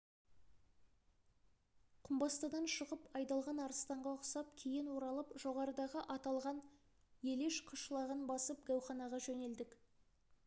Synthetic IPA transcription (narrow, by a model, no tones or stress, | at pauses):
qʰʊmbɑst̪ɑd̪ɑnʃəʁəpɑjd̪ɑlˠʁɑnɑɾəst̪ɑɴʁɑəqsɑp̚kʲʰejɪnwoɾɑlˠəpʒ̥o̞ʁɑɾəd̪ɑʁəʔɑt̪ɑlˠʁɑn | je̞leʃqʰʊʃlˠɑʁənbɑsəp̚ɡʲæwχɑnɑʁɑʒɵne̞ld̪ɪk